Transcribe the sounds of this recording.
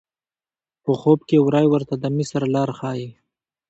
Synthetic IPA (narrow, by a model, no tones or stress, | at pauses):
pəxobkewɾɑjwəɾt̪ad̪əmisaɾalɑːɾxɑːji